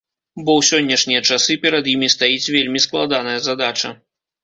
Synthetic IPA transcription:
bɔwsʲɔnʲːɐʂnʲijɐt͡ʂasɨpʲɛɾɐd̪jimʲist̪ajit͡sʲvʲelʲmʲisklˠad̪anɐjɐzad̪at͡ʂɐ̰

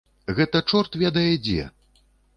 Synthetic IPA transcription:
ɣɛt̪ɐt͡ʂɔrt̪vʲɛd̪ɐjɛd͡zʲɛ̰

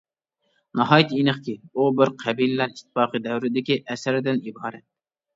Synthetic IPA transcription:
nɑɦɑːjit̪ʰinɨχkʲiubɪɾqʰæbilɪlæɾiʃt̪ʰːɪ̥fɑːqɨd̪ɛwɾɪd̪ɪkʲiʔɛsɪɾɪd̪ɪnibɑɾɛt̪̚

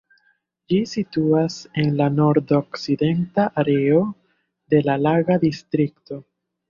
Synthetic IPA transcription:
d͡ʒisituase̞nlano̞ɾdo̞kside̞ntaʔaɾe̞o̞ | de̞lalaɡadistɾikto̞

